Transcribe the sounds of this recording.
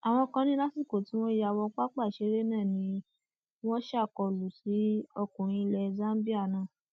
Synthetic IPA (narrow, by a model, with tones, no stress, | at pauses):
a˨w̃ɔ̃˧kã˧nĩ˦la˦si˦˨ko˨ti˨˦w̃ɔ̃˦ja˧wɔ˧k͡pa˦k͡pa˦˨ʃe˧˦ɾe˦nãː˦˨nĩ˨˦ | w̃ɔ̃˦ʃa˦˨kɔ˧lu˨si˨˦ɔ˧kũ˨ɾ̃ĩ˧˦i˧lɛ˧˨zã˦n˦bi˦a˦˨nãː˦˨